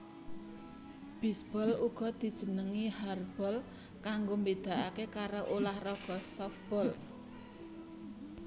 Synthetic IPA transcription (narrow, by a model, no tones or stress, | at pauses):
b̥isb̥ɔluɡ̥ɔ̤d̪̥i̤d̥ʒ̥ə̤nəŋiharb̥ɔl | kaŋɡombed̪̥a̤ʔakekaɾoʔolahrɔɡ̥ɔsɔfb̥ɔl